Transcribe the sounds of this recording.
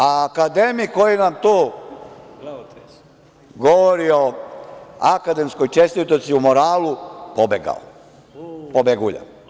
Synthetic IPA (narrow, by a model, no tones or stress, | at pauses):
aːkad̪emikojinamt̪uː | ɡoʋoɾio | akad̪e̞mskojt͡ʃest̪it̪osiumoɾaːlupobḛɡa̰o̰ | pobeɡuʎa̰